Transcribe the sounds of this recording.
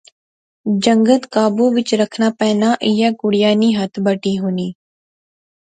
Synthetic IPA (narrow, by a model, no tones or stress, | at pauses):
d͡ʒə̃ŋɡət̪kaːbuʋɪt͡ʃɾəkʰnapɛːnaʔɪjakʊɽɪjaːniɦɐt̪ʰbəʈiɦoːniː